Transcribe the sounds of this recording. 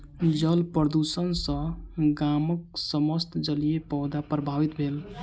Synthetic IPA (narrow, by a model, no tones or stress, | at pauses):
d͡ʒəlpɾəd̪usənsə̃ɡaməksəməst̪d͡ʒəlijepɔd̪apɾəbʱaʋit̪bʱel